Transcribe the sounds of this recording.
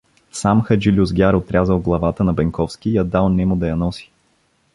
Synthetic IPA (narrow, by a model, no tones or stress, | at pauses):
samxɐd͡ʒilʲuzɡʲaɾot̪ɾʲazəlˠɡlˠɐvat̪ənɐbɛŋkɔfskijɐd̪alˠnɛmʊd̪ɐjɐnɔsi̥